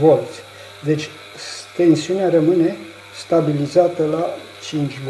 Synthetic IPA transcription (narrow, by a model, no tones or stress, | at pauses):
vo̞lt̪sʲ | d̪e̞t͡ʃʲ | t̪e̞nsiuneaɾəmɨne̞ | st̪abilizat̪əla | t͡ʃint͡ʃʲv